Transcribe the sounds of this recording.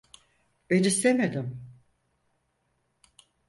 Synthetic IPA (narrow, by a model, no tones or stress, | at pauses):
b̥enist̪emed̪ɪm